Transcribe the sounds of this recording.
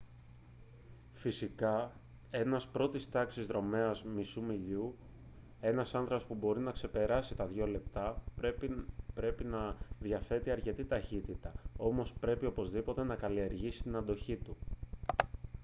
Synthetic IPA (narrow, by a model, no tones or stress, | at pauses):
fisikɐ | e̞nɐspɾo̞t̪ist̪ɐksizðɾo̞me̞ɐzmisumiʎu | e̞nɐsɐnθɾɐpo̞spubo̞ɾinɐkse̞pe̞ɾɐsit̪ɐðʝo̞le̞p̚t̪ɐ | pɾe̞pinɐðʝɐfe̞t̪iɐɾce̞t̪it̪ɐçit̪it̪ɐo̞mo̞spɾe̞pio̞po̞zðipo̞t̪e̞nɐkɐlie̞ɾʝisi̥t̪inɐnd̪o̞çit̪u